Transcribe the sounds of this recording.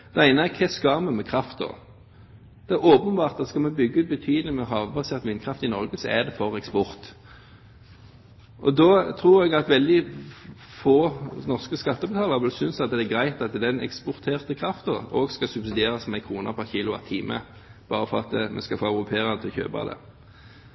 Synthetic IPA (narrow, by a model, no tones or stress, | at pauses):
d̪̥ɛæɪnəækʰɛskɑːmɛmɛkʰʁɑft̪d̪ɔ̰ | d̪̥ɛæoːpənbɑːʁt̪̚d̪ɑskɑlmɛbʏɡːəʉːt̪̚bət̪ʰyːd̪lɪmɛɦɑːʋbɑseːʁt̪ʋɪnd̪̚kʰɾɑft̪ɪnɔʁɡəsɔæd̪ɛfɔʁɛkspɔʁt̪ | ʔɔd̪ɔt̪ʰʁuːɾɛɡɑt̪ʋɛld̪ɪ | foːnɔʁskəskɑt̪ːəbət̪ʰɑːləʁʋɛlsʏnsɑt̪̚d̪ɛɛɡʁæɪt̪ɑt̪d̪ɛnɛ̰kspɔʁt̪ʰeːʁt̪əkʰʁɑft̪ɔoːɡskɑsʉbsɪd̪eːɾɑsmɛæɪkʰʁuːnə̰pʰæʁçiːlʊɑ̰t̪ʰiːmə̰ | b̥ɑːɾəfɔɾʁɑt̪mʔɛ̰skɑfoːœʉʁʊpʰeːʁɑnət̪ʰɪçø̰ːbɑ̰d̪ə̰